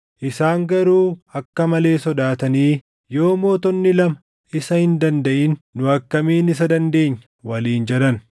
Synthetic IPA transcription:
ʔɪsaːŋɡɐɾuːɐkːɐmɐle̞ːsɔd̪aːt̪ɐniː | jo̞ːmo̞ːt̪ɔnːɪlɐmɐ | ʔɪsɐhɪnd̪ɐnd̪ɐʔɪnːʊɐkːɐmiːnɪs̬ɐd̪ɐnd̪e̞ːɲːɐ | wɐliːnd͡ʒɛd̪ɐn

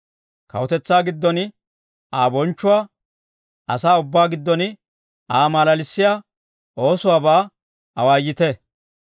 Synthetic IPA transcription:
kɐ̰wɔt̪ɛt͡sːaːɡɪd̪ːɔnɪ | aːbɔnt͡ʃːʊwaː | ʔɐsaːʊbːaːɡɪd̪ːɔnɪ | aːmaːlɐlɪsːɪjaː | ʔo̞ːsʊwaːbaː | ɐwaːjːɪt̪ɛ

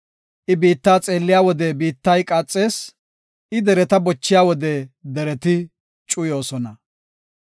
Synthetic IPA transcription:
ʔɪbiːt̪ːaːt͡sʼe̞ːlːɪjaːwɔd̪ɛbiːt̪ːɐjkʼaːt͡sʼːe̞ːs | ʔɪd̪ɛɾɛt̪ɐbɔt͡ʃːɪjaːwɔd̪ɛd̪ɛɾɛt̪ɪ | t͡ʃʼʊjo̞ːsɔnɐ

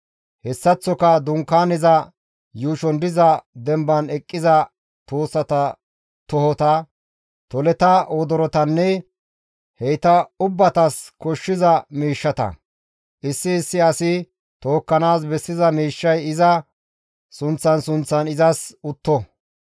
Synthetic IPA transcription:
hɛsːɐt͡sːɔkɐd̪ʊŋkːaːnɪzɐ | juːʃɔnd̪ɪzɐd̪ɛmbɐnɛkʼːɪzɐ | t̪oːsːɐt̪ɐ | t̪ɔhɔt̪ɐ | t̪ɔlɛt̪ɐʔoːd̪ɔɾɔt̪ɐnːɛ | hɛjt̪ɐʊbːɐt̪ɐskɔʃːɪzɐmiːʃːɐt̪ɐ̰ | ʔɪsːɪːsːɪɐsɪ | t̪oːkːɐnaːs̬bɛsːɪzɐmiːʃːɐjɪzɐ | sʊnt͡sːɐnsʊnt͡sːɐnɪzɐsʊt̪ːɔ

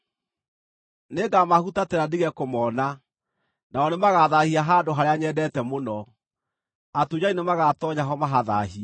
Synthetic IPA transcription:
neːɡamahutatɛɾadeɣɛkomɔːna | naɔnemaɣaðahiaɦaːdoɦaɾeaɲɛdɛtɛmonɔ | atud͡ʑainemaɣatɔɲaɦɔmaɦaðaɦia

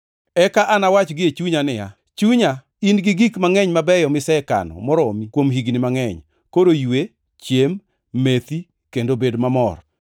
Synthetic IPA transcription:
ɛkaʔanawat͡ʃɡɪet͡ʃuɲanɪja | t͡ʃuɲa | inɡɪɡikmaŋɛɲmabɛjɔmɪsɛka̰nɔ̰mɔɾomikwomɦiɡnɪmaŋɛɲ | kodojwe | t͡ʃjemː | et̪i | kendobedmamɔr

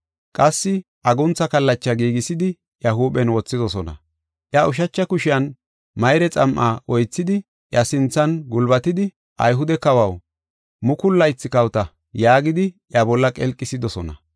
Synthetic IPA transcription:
kʼɐsːɪ | ʔɐɡʊnt͡sːɐkɐlːɐt͡ʃːɐɡiːɡɪsɪd̪ɪ | ʔjɐɦuːpʼɛnwɔt͡sːɪd̪ɔsɔnɐ̰ | ʔjɐʊʃ̬ɐt͡ʃːɐkʊʃɪjɐn | mɐjɾɛt͡sʼɐmʔaʔɔjt͡sːɪd̪ɪ | ʔjɐsɪnt͡sːɐnɡʊlbɐt̪ɪd̪ɪ | ʔɐ̰jɦʊd̪ɛkɐwɐw | mʊkʊlːɐjɪt͡sːɪkɐwt̪ɐ | jaːɡɪd̪ɪʔjɐbɔlːɐkʼɛlkʼːɪsɪd̪ɔsɔnɐ̰

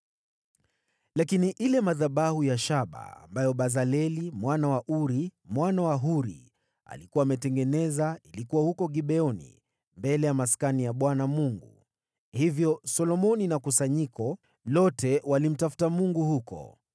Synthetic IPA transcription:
lakiniʔilɛmaðaɓahujaʃaɓa̰ːmbajɔɓazalɛlimwanawaʔuɾimwanawaɦuɾḭ | a̰likuwaːmɛtɛŋɡɛnɛzailikuwahukɔɡiɓɛɔnḭ | mbɛlɛjamaskanijaɓwanamuŋɡu | hivjɔsɔlɔmɔninakusaɲikɔ | lɔtʰɛwalim̩tafu̥tamuŋɡuhukɔ̰

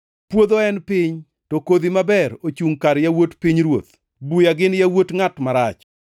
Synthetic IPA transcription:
pwod̪oɛnpɪɲ | tokod̪imabɛɾot͡ʃuŋkaɾjawotpɪɲɾwot̪ | bujaɡɪnjawotŋatmaɾat͡ʃ

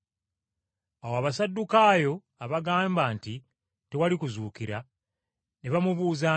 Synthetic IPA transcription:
awoaβasadːukaːjo̞ | aβaɡaːmbaːnti | te̞walikuzuːkiɾa | ne̞βamuβuːza

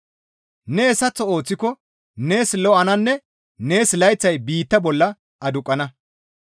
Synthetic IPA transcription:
neːsɐt͡sːɔo̞ːt͡sːɪkɔ | neːslɔɐnɐnːɛ | ne̞ːslɐjt͡sːɐjbiːt̪ːɐbɔlːɐ | ʔɐd̪ʊkʼːɐnɐ

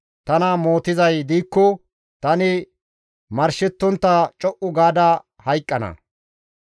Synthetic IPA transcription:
t̪ɐnɐmoːt̪ɪzɐjd̪iːkːɔ | t̪ɐnɪ | mɐɾʃɪt̪ːɔnt̪ːɐt͡ʃʼɔʔʊɡaːd̪ɐ | hɐjkʼːɐnɐ̰

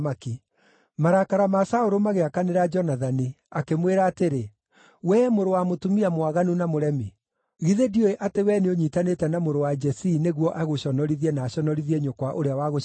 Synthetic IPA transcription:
maki | maɾakaɾamasaoɾomaɣeakaneɾad͡ʒɔnaðani | akemweɾaːteɾe | wɛmoɾowamotumiamwaɣanunamoɾɛmi | ɣiðedioeʔatewɛneoɲitanetɛnamoɾowad͡ʒɛsineɣwɔʔaɣoɕɔnɔɾiðiɛnaːɕɔnɔɾiðiɛɲokwaʔoɾeawaɣo

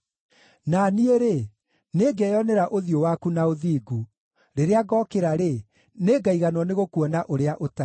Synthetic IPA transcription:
nanieɾe | neːɡɛjɔnɛɾaʔoðiowakunaoðiːɡu | ɾeɾeaɡɔːkeɾaɾe | neːɡaiɣanwɔneɣokuɔnaʔoɾeaʔota

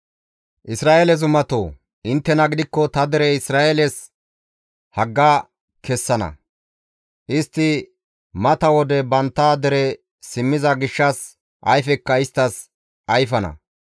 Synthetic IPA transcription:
ʔɪsɾaːʔelɛzʊmɐt̪o̰ː | ɪnt̪ːɛnɐɡɪd̪ɪkːɔt̪ɐd̪ɛɾɛɪsɾaːʔelɛs | hɐɡːaː | kʰɛsːɐnɐ̰ | ʔɪst̪ːɪ | mɐt̪ɐwɔd̪ɛbɐnt̪ːaːd̪ɛɾɛ | sɪmːɪzɐɡɪʃːɐs | ʔɐjfɛkːɐɪst̪ːɐs | ʔɐjfɐnɐ̰

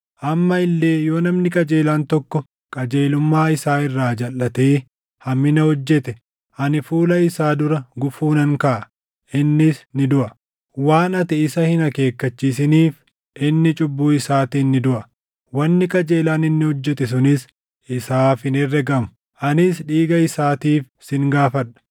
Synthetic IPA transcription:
ʔɐmːɐɪlːe̞ːjo̞ːnɐmnɪkʼɐd͡ʒe̞ːlaːnt̪ɔkːɔ | kʼɐd͡ʒeːlʊmːaːɪsaːɪrːaːd͡ʒɐlːɐt̪eː | hɐmːɪnɐhɔd͡ʒːɛt̪ɛ | ʔɐnɪfuːlɐɪsaːd̪ʊɾɐɡʊfuːnɐŋkɐʔɐ | ʔɪnːɪsnɪd̪ʊʔɐ | waːnɐt̪ɪːsɐhɪnɐke̞ːkːɐt͡ʃːiːs̬ɪniːf | ʔɪnːɪt͡ʃʼʊbːuːɪsaːt̪iːnːɪd̪ʊʔɐ | wɐnːɪkʼɐd͡ʒeːlaːnɪnːɪhɔd͡ʒːɛt̪ɛs̬ʊnɪs | ɪsaːfɪnɪrːɛɡɐmʊ̥ | ʔɐnɪsᶑiːɡɐɪsaːt̪iːf | sɪŋɡaːfɐᶑɐ̥

